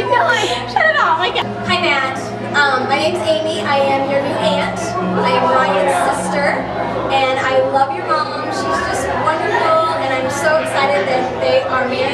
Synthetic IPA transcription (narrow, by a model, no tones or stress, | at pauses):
ɨfilaɪæʃəɾɨɾɔaɪk | hãɪ̃mæt | ʔʌ̃mlɛɾɪ̃ɪ̃mzẽɪ̃miʔaɪɨ̃mjə˞niæ̃nt | aɪɨ̃maɪɨ̃nsɪstə˞ | ɨ̃naɪlʌvjə˞ʔõʊ̃mʃizd͡ʒʌst̚wʌ̃ndə˞fl̩ˠɨ̃ñãɪ̃msoʊɨksaɪɾɨd̪̚ðɨt̪̚ðeɪʔə˞mɪ